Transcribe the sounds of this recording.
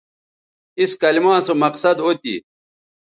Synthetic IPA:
iskɐlimãːnsomɐqsɐd̪oːt̪ḭ

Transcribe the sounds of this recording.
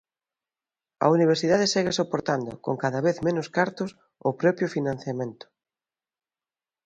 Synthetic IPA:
ɐ̰uniβ̞eɾsiðaðesɛɣesopoɾt̪and̪ʊ̰ko̰ŋkaðaβeθmẽnʊskaɾt̪ʊs | opɾɔpɾjofinãn̟θjamẽnt̪ʊ̥

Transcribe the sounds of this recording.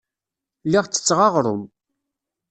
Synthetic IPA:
liʁt͡sːə̥t͡sːʁɑʁɾˤʊ̰m

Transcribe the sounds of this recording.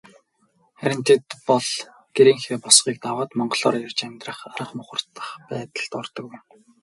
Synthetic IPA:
χæɾʲɪ̆n̥t̪ʰĕt̪pɔɮ | ɡ̥eɾiːŋxeːpɔsχiːk̚t̪awaːt̪mɔɴɢɞ̆ɮɔːɾjært͡ɕæmʲt̪rə̆χaɾə̆χmʊχə̆r̥t̪ə̥̆χpæːt̪ə̆ɮt̪ɔrt̪ɞ̆kw

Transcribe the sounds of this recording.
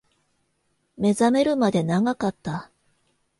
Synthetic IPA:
me̞zame̞ɾɯ̟mad̪e̞naɡakat̪ːa

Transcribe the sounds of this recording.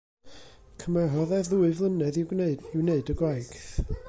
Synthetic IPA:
kʰəmɛɦɔðɛððuːɨvlˠənɛðɪwɪwneɨdəɡwajɡ̥θ

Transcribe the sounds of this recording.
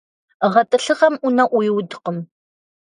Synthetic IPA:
ʁɐtʼɨɬɨʁɐmunɐʔʷujɪwdqəm

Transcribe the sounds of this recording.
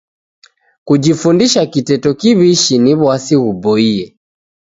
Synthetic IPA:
kud͡ʒifundiʃakitɛtɔkiβiʃiniβwasiɣubɔiɛ

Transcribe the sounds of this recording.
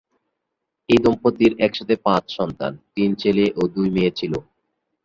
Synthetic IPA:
ejd̪ɔmpot̪ːiɾɛkʃat̪ʰepãt͡ɕʃɔnt̪a̰nt̪int͡ɕeleʔod̪ujmeet͡ɕʰilo

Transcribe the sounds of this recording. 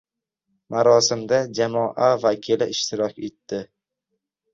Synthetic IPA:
maɾɒsɪmd̪ad͡ʒamɒʔavakʲʰɪlɪʔɪʃt̪ʰɪɾɒkʲe̞t̪ːɪ

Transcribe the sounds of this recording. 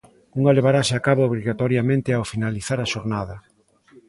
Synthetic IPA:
uŋaleβ̞aɾasɪakaβooβɾiɣat̪ɔɾjamẽnt̪ɪeaofinaliθaɾaʃoɾnaðɐ

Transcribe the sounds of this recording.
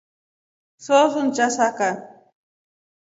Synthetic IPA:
sosʊnt͡ʃasaka

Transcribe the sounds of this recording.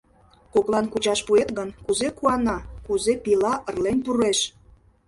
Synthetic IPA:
koklˠɑnkut͡ɕɑʃpuet̪ɣənkuzekuɑnɑkuzepilɑʔə̆rlenpureʃ

